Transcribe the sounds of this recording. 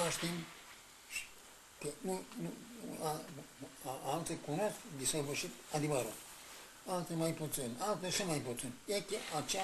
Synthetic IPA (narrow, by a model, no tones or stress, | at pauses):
aʃt̪im | ʃi̥ | kənunua | alt̪ekunoskd̪isavəʃit̪ad̪ivəɾat̪ | alt̪emajput̪sinalt̪eʃəmajput̪sinjekeʔat͡ʃe